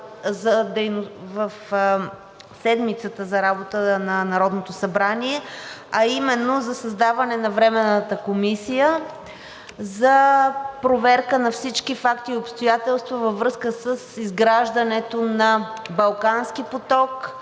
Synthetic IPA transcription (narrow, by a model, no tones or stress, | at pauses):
zɐd̪ɛjnovəf | sɛd̪mit̪sət̪əzɐɾabot̪ənɐnɐɾɔd̪not̪osɐbɾaniɛɐimɛnːozɐsɐzd̪avɐnɛnɐvɾɛmɛnːət̪əkomisijə | zɐpɾovɛɾkənɐfsit͡ʃkifakt̪iopst̪ojat̪ɛlˠst̪vəvəvɾɤskəsəsizɡɾaʒd̪ənɛt̪onɐbɐlˠkanskipot̪ɔk